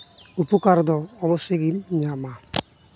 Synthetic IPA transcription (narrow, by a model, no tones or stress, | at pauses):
upukaɾd̪ɔːβɔseɡimɲama